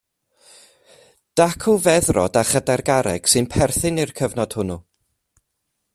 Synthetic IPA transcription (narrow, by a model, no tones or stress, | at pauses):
d̥akʰuvɛðrɔ̰daχədɛrɡaɾɛɡ̥sɨnpʰɛrθɪnirkʰəvnɔd̥hʊnu